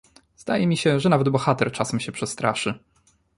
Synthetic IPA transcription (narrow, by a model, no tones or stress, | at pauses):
zd̪a̰jɛmʲiɕɛʐɛnavɛd̪bɔxat̪ɛɾt͡ʂasɛmɕɛpʂɛst̪ɾaʂɘ